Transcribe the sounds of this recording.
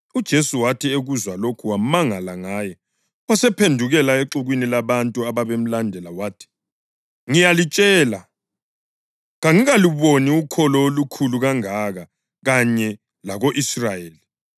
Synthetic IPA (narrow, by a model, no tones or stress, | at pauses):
ud̥ʒ̥ʱesuwatʰieɣuzwalokʰuwamaŋalaŋajɛ | asɛpʰendʱuɣɛlaeǁuɣwinilaβantʼuaβaβem̩landʱɛlawaːtʰi̥ | ŋijalit͡ʃʼɛːla | ɣaŋiɣaliβoniukʰɔlɔolukʰuluɣaŋaɣa | ɣaɲɛ | laɣoʔisrajeːli